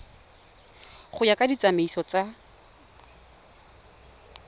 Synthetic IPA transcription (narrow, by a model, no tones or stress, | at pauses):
χʊjakʼadit͡sʼameisɔt͡sa